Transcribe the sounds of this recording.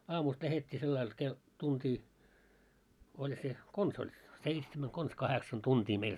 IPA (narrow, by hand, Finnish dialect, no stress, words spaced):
ɑːmust læhetʲːiː selːɑil ke tuntiː olʲ se kons olʲ seitsemæn kons kɑheksɑn tuntiː meil